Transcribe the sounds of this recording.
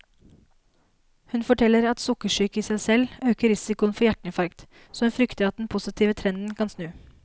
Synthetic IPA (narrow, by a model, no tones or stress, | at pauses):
hʉnfɔʈʰɛlːəɾɑt̪sʊkəʂyːkəiːsæɪsɛløːkəɾɪsɪkʊənfɔjæʈɳ̩ɪfɑɾkt̪ | soːhʉnfɾʏkt̪əɾɑt̪̚d̪ɛnpʰʊsɪt̪ʰiːʋət̪ʰɾɛnd̪n̩kʰɑnsnʉː